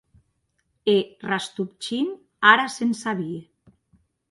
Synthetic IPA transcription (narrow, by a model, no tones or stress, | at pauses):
erast̪up̚t͡ʃin | aɾasensaβi